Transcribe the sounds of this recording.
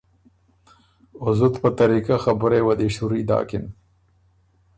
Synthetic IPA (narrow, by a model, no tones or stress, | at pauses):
ʊzut̪pət̪aɾikaxabʊɾewad̪iʃuɾid̪ɑ̰ːkɪn